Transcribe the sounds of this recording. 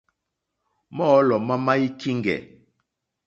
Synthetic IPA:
mɔ˦lɔ˨ma˦ma˦i˦ki˦ŋɡɛ̰˨

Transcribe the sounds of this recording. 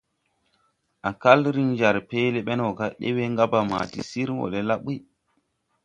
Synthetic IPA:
ʔa˨ka˦lɾi˦ŋd͡ʒa˨ɾpe˦le˦ɓe˦no˨ka˦ɗḛ˦we˦ŋɡa˦ba˨ma̰˨tḭ˦si˦ɾwo̰˨le˦la˦ɓi˦

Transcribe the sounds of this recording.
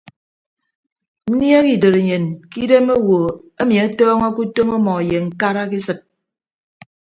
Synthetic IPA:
n̩˦nja˦ki˨do˨ɾe˨ɲe˨nki˦de˦mo˦wo˨e˦mi˨a˦tɔː˦ŋa˦ku˦to˦mɔ˦mɔ˨je˨ŋ̩˨ka˦ɾa˦ki˦sɨ˨k̚

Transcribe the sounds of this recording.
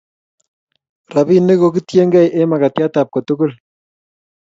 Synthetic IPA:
ra˨bi˦ne˦ko˨kitje˦ŋɡɛ˦˨jʔe˦ma˨ka˨tja˦ta˨p̚ko˨tʊ˦kʊ˦l

